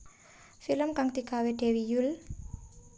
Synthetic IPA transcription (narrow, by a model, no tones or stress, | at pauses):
filəmkaŋt̪ikaweɖ̥ɛ̤wijul